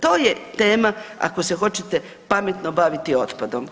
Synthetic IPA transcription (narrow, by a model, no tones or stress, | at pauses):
t̪o̞ːjet̪e̞ːmaa̰kosexo̞t͡ɕet̪e̞ | pamet̪nobaʋit̪io̞t̪pad̪om